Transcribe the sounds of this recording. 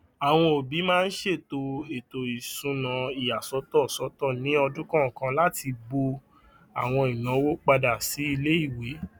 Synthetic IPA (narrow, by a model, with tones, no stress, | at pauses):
a˨w̃ɔ̃˧o˨bi˨˦mãː˦˧n̩˦ʃe˦˨to˧e˨to˨i˨sũ˧nã˨˦i˨a˨sɔ˨˧˦tɔ˦˨sɔ˨˦tɔ˦˨nĩ˨˦ɔ˧dũ˦kã˦˨kã˧la˦ti˧bo˧ | a˨w̃ɔ̃˧i˨nã˨˦wo˦k͡pa˧da˨si˨˦i˧le˦i˦˨we˨˦